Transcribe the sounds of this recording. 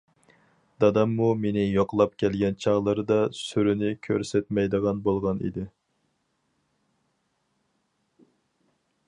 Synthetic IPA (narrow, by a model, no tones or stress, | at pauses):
d̪ɑd̪ɑmːumenɪjoqlˠɑp̚kʲʰɛlɡʲɛnt͡ʃʰɑʁlˠɨɾɨd̪ɑsyɾynɪkʲʰøɾsɛt̪mɛjd̪əʁɑnbolˠʁɑnḭd̪ɪ